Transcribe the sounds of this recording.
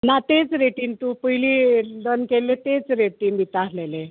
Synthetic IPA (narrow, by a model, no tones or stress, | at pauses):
nat̪et͡sɾeʈiːnt̪upəɦliːlənkelet̪et͡sɾeʈiːnb̪ʱit̪aslele